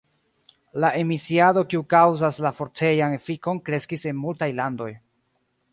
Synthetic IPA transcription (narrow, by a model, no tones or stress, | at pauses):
laʔe̞misiado̞kiukawzaslafo̞ɾt͡se̞janefiko̞nkɾe̞skise̞nmultajlando̞j